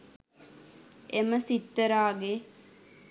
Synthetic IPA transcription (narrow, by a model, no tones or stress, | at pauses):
eməsit̪ːəɾaːɡe